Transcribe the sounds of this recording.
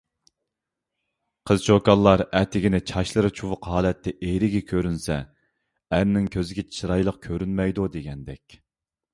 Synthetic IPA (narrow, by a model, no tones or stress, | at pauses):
qʰəzt͡ʃʰokɑlˠːɑɾɛt̪ʰɪɡʲinɪt͡ʃʰɑʃlˠɨɾɨt͡ʃʰuwʊqɦɑːlɛt̪ʰːɛʔejɾɪɡʲɛkʲʰøɾynsɛ | æɾnɪŋkʲʰøzɪɡʲɛt͡ʃʰi̥t͡ʃʰɾɑjlˠəq̚kʲʰøɾynmɛjd̪ud̪eɡʲɛnd̪ɛkʲ